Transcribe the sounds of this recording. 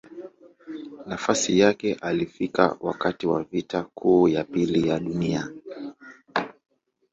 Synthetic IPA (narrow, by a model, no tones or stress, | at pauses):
nafasijakɛʔalifika̰wa̰katiwa̰vitakʰuːjapilijaɗunia